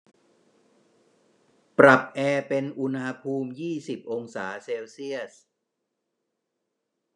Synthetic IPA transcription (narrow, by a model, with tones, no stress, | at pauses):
pɾa˨˩p̚ʔɛː˧pe˧nʔu˧nha˧pʰuː˧mjiː˥˩si˨˩p̚ʔo˧ŋsaː˩˦seː˧wsi˥˩əs̚